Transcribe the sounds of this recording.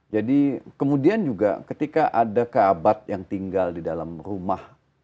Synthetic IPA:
d͡ʒadikəmudiand͡ʒuɡa̰kət̪ikaʔadakəabat̪̚jaŋt̪iŋɡaldidalamrumah

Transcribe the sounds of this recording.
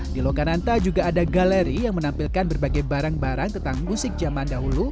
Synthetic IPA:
dilokanant̪ad͡ʒuɡaːdaɡaleɾijaŋmənampilkanbərbaɡajbaɾaŋbaɾaŋt̪ənt̪aŋmusɪk̚d͡ʒamandaɦulu

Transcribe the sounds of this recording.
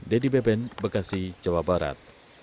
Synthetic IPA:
dɛdibɛbɛnbərkasid͡ʒawabaɾa̰t̪̚

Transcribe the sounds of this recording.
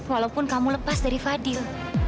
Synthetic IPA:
walaupʊnkamuləpasdaɾifadɪl

